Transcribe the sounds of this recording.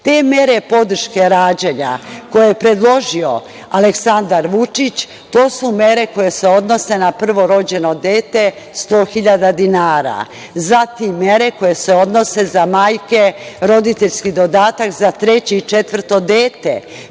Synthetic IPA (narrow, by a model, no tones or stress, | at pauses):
t̪e̞ːmje̞ɾe̞po̞d̪r̩ʃke̞ɾaːd͡ʑeɲa̰ko̞jejepɾe̞d̪lˠo̞ʒio̞ | aleksand̪aɾʋut͡ʂit͡ɕ | t̪o̞ːsume̞ɾe̞ko̞je̞se̞o̞d̪no̞se̞napr̩ʋo̞ɾo̞d͡ʑe̞no̞d̪eːt̪e | st̪o̞ːxiʎad̪ad̪inaːɾa̰ | zat̪imːje̞ɾe̞ko̞je̞seo̞d̪no̞se̞zamaːjke̞ɾo̞d̪it̪eʎskid̪o̞d̪aːt̪akzat̪ɾe̞t͡ɕiit͡ʃe̞t̪ʋr̩t̪o̞d̪eːt̪ḛ